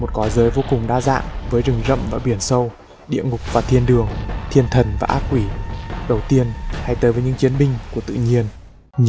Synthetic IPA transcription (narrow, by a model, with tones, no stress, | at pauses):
mo˨˩t̚kɔ˨˦zəː˨˦jvo˧kʊ˨˩ŋ͡mɗaː˧za̰ː˧˨ŋvəː˨˦jzɨ˨˩ŋzə̰˧˨mvaː˨˩ɓi˧˩ənsə˧w | ɗḭ˧˨əŋʊ˨˩k͡p̚vaː˨˩t̪ʰi˧ənɗɨ˨˩əŋt̪ʰi˧ənt̪ʰə˨˩nvaː˨˩ʔaː˦˥k̚kːwi˧˩ɗə˨˩wt̪i˧ənha˧jt̪əː˨˦jvəː˨˦jɲɨ̰˧˥ŋt͡ɕi˨˦ənɓï˧ŋ̟ku˧˩ət̪ɨ̰˧˨ɲi˧ən